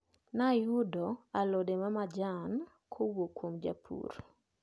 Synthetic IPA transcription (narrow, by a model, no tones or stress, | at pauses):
najʊdɔalɔdemamad͡ʒan | kʰowokwomd͡ʒa̰pʰṵr